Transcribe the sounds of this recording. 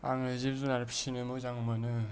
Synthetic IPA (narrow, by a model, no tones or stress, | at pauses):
aŋɯzip̚zunaɾpʰsinɯmɯzaŋmanɯ